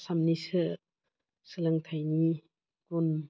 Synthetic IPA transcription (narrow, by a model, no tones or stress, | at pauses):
samnisɯ | sɯlɯŋtʰajni | kun